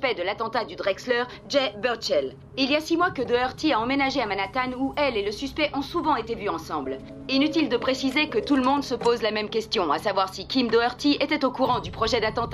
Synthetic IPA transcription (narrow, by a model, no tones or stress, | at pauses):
pɛd̪əlat̪ɑ̃t̪ad̪yd̪ʁɛkslœʁ | ʒɛbɛʁt͡ʃɛl | iljasimwakəd̪oœʁt̪iaɑ̃menaʒeamanat̪anuʔɛleləsyspɛʔɔ̃suvɑ̃et̪evyɑ̃sɑ̃bl | inyt̪ild̪əpχesizekət̪uləmɔ̃d̪səpozlamɛmkʲɛst̪jɔ̃asavwaʁsikʲimd̪oœʁt̪iet̪ɛt̪okuʁɑ̃d̪ypχɔʒɛd̪at̪ɑ̃t̪a